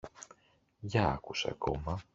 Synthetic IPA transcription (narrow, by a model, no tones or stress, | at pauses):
ʝɐɐ̰kuseɐ̰ko̞mɐ